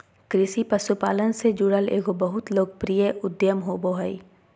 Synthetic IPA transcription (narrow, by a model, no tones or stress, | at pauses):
kɾɪsipəsupaːlənsed͡ʒuɽəlḛːɦobɐɦʊt̪loːɡ̚pɾijəʔʊd̪jəmɦoːboɦəi